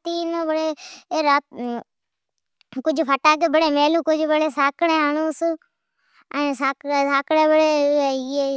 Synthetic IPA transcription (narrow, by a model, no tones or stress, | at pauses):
t̪iːnobɽeːeɾaː | kʊd͡ʒʱpʰəʈaːk̬eːbəɽeːmeːlũːkʊd͡ʒʱbəɽeːsaːkɽẽːɦəɳũːs | əːsaːkːsaːkɽẽːbəɽeːe